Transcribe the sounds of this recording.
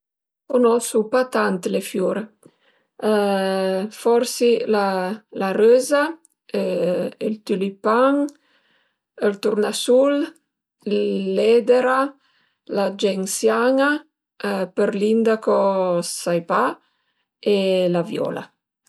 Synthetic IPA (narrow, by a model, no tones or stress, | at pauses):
konɔsupat̪ant̪lefjuɾe | fɔɾsilalarøːza | ilt̪ylipaŋ | əlt̪uɾnasul | lɛd̪eɾa | lad͡ʒɛŋsjaŋa | pəɾlind̪akosajpa | elavjɔ̰ːla̰